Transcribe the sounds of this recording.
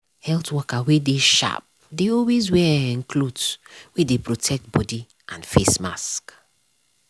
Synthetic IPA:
hɛltwɔkawedeʃa̰p̚deɔlwezwɛɛ̃nkʰlodwedepɹotʰɛk̚t̚bɔdi | ãnfesma̰sk

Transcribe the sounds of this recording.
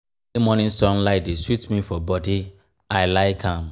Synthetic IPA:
emɔnĩsɔ̃nlaɪt̚deswitmifɔbɔdi | aɪlaɪkãm

